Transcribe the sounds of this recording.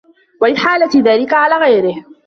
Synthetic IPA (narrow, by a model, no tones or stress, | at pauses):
walɪħaːlat̪ɪðaːlɪkaʕalaːɣajɾɪh